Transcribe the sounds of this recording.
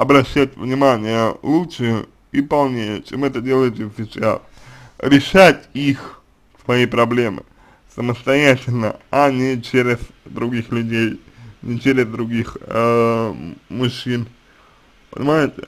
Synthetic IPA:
ɐbɾɐɕːætʲvnʲɪmanʲɪjəlˠutʂɨjə | ipɐlˠnʲejət͡ɕemɛt̪ədʲe̞lˠəjɪt̪ʲɪvfʲɪsa̰ | ɾʲɪʂatʲix | svɐipɾɐblʲe̞mɨ̰ | səməst̪ɐjætʲɪlʲnə̰anʲɪt͡ɕeɾʲɪz̥d̪ɾʊɡʲixlʲʉdʲejnʲɪt͡ɕeɾʲɪzd̪ɾʊɡʲix | mʊɕːin | pə̰nʲɪmajɪtʲɪ̰

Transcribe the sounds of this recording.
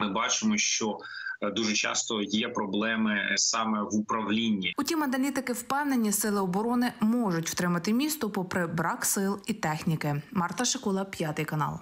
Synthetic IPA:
mɪbɑt͡ʃɪmɔʃt͡ʃɔ | d̪uʒɛt͡ʃɑ̰st̪ɔjɛpɾɔblˠɛmɪsɑmɛʋʊpɾɐwlʲinʲːiʊtʲimɐnɐlʲit̪ɪkɪwpɛwnenʲːisɪlˠɪɔbɔɾɔnɪmɔʒʊtʲw̥t̪ɾɪmɐt̪ɪmʲist̪ɔpɔpɾɛbɾɑksɪlˠit̪ɛxnʲikɪmɑrt̪ɐʃɪkɔlˠɐpʲjɑt̪ɪjkɐnɑ̰lˠ

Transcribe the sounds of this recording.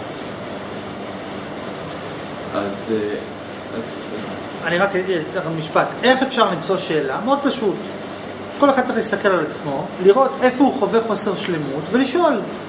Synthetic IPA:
az | az | z | aniʁakmiʃpate̞χefʃaʁlimt͡so̞ʃe̞ːlameod̪̚paʃut | ko̞leχad̪t͡seeχlist̪ake̞lalat͡smo̞liʁo̞te̞fo̞uχoveχo̞se̞ʁʃlemutveliʃo̞l

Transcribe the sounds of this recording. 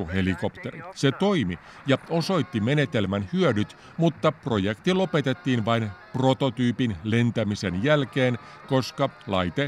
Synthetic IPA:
uhe̞liko̞pt̪ḛrḭset̪o̞jmi | jɑo̞so̞jt̪ːime̞ne̞t̪elmænhyødyt̪ | mut̪ːɑpro̞jekt̪ilo̞pe̞t̪et̪ːiːnʋɑinpro̞t̪o̞t̪yːpinle̞nt̪æmise̞njælkeːn | ko̞skɑlɑ̰jt̪e

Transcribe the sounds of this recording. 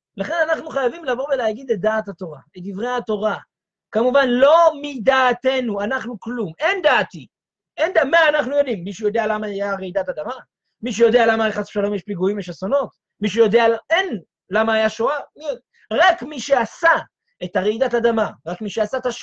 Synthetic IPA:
laχe̞nanaχnuχajavimlavo̞veleaɡid̪et̚d̪aːt̪hat̪o̞ʁaet̚d̪ivʁejato̞ʁa | kamuvanlo̞mid̪aːt̪e̞nuanaχnuklumend̪aːt̪i | ʔend̪amaːnaχnujo̞d̪imːiʃujo̞d̪ealamaajaʁeid̪atad̪ama | miʃ̬ejo̞d̪e̞alamaleχasi̥ʃalo̞mjeʃpiɡuimeʃasono̞t̪ | miʃ̬ujo̞d̪eaen | lamaːjaʃoami | ʁakmiʃeasa | et̪aʁeid̪atad̪amaʁakmiʃeasaetaʃ

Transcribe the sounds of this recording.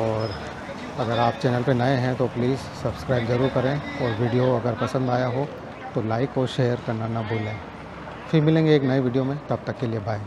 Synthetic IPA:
ɔːɾ | ɐɡəɾaːpt͡ʃɛːnəlpenɐeɦɛ̃t̪opliːzsɐbskɾaːɪbzɐɾuːɾkɐɾẽɔːɾʋiɖijoɐɡəɾpɐsə̃nd̪aːjaɦo | t̪olaːɪkːoʃeːəɾkɐɾnanɐbʱoːlẽː | fʰɪɾmɪlẽːŋɡeeːknɐeʋiːɖijomẽt̪ɐb̚t̪ɐkːeliebʱaːẽ

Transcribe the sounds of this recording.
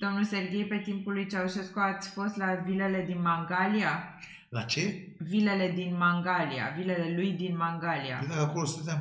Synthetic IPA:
d̪̥o̞mnulse̞rɡʲe̞jpe̞t̪impulujt͡ʃauʃe̞skuat̪sʲfo̞st̪lavile̞le̞d̪inmaŋɡalia | lat͡ʃe | vile̞le̞d̪inmaŋɡalia̰vile̞le̞lujd̪inmaŋɡalia̰ed̪akəako̞losunt̪em

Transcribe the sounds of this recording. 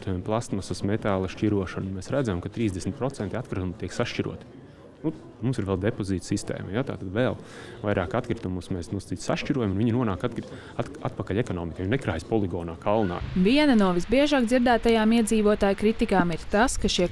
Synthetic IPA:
t̪ujɛmplˠast̪masusmet̪aːlˠɐʃciɾuɔʃanunmɛːsɾæd̪zajmkat̪ɾiːzd̪esm̩ʲt̪̚pɾot̪sɛnt̪iat̪̚kɾit̪umt̪iɛksaʃt͡ʃiɾṵɔt̪i̥ | nu | mumsiɾʋɛlˠd̪epoziːt̪sist̪ḛːmɐjat̪a̰ːt̪ad̪ʋelˠ | vajɾʔaːkat̪̚kɾit̪umusmɛːsnuɔst̪iːsʲsaʃt͡ʃiɾuɔjamunviɲinuɔnaːkat̪kɾi | aa̰t̪̚pakalʲekɔnɔːmikajunɛkɾaːjspɔlˠiɡɔːnaːkalˠna̰ːviɛnɐnuɔʋizbiɛʒaːɡ̚dziɾd̪æːt̪ajaːmiɛd̪ziːʋuɔt̪aːjkɾit̪ikaːmiɾt̪askaʃiɛ

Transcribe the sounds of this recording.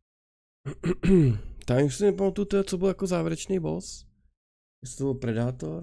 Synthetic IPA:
t̪auʃsɪnɛpamat̪uut̪ɛɦt͡sobɪljakozaːvjɪɾɛt͡ʃnejbo̰s | jɛstt̪obɪlpɾɛdaːt̪oɾ

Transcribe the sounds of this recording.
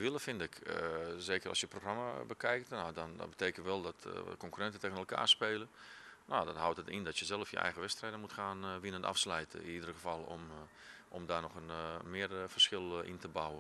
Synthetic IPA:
ʋilˠəfɪndɪkəzeːkərɔ̰sjəproxramabəkɛjktnodɔnɔ̰tbəteːkən̩tʋɛlˠdɔtkɔŋkyrɛntəteːənəlˠka̰ːspeːlˠə | nodɔthawtətindɔtjəzɛlˠəfjə̰ɛ̰jɣəʋɛstrɛjdənmutxaːnʋinənta̰fslɛjtʰəɪ̰nidərəxəfal̰ˠ | ʔɔmdaːnɔxənmɪərfərsxɪlˠḭntəbawə

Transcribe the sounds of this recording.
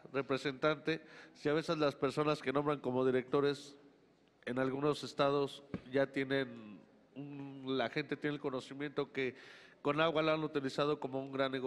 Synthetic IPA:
re̞pɾese̞nt̪ant̪e̞siaβ̞e̞se̞zlaspe̞ɾso̞naske̞no̞mbɾaŋko̞mo̞ð̞iɾe̞k̚t̪o̞ɾe̞s | e̞nalɣuno̞se̞st̪að̞o̞sʝat̪je̞ne̞n | unlaxe̞nt̪e̞t̪je̞nelko̞no̞simjẽ̞nt̪o̞ke̞ko̞naɣwaloanut̪ilisað̞o̞ko̞mo̞uŋɡɾanːeɣ

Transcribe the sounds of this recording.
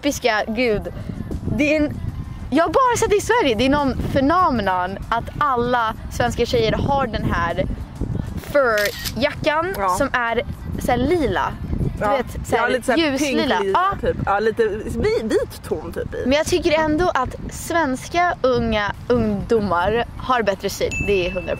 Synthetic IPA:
pːɪskaɡʉ̟ːd̪ | d̪ɛ | jɑːhabɑːɾasɛt̪ːɛɪsvæɾjəd̪ɛænɔnfœɳɔmnanʔat̪alːa | svɛnskaɕɛjːəɾhaɖɛnɦæːɾ | fœjakːansɔmæɾsæːliːla̰d̪veːt̪sæliːt̪ːʉ̟ːsliːlːaɑːt̪ʰyːpːliːt̪əviːt̪ʰːumt̪ʰy̰ːpɪ̰mɛnjɑːɡt̪ʰʏkːəɾɛnd̪oʔat̪svɛnskaɵŋːaɵŋd̪umːaɾhaɾbɛt̪ɾəsy̰ːd̪d̪ɛæɦɵŋːə̰

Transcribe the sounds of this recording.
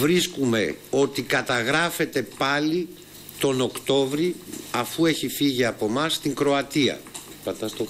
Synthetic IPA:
vɾiskume̞o̞t̪ikɐt̪ɐɣɾɐfe̞t̪e̞pɐli | t̪o̞no̞kt̪o̞vɾiɐfue̞çifiʝiɐpo̞mɐst̪iŋkɾo̞ɐt̪iɐ̰ | pɐt̪ɐst̪o

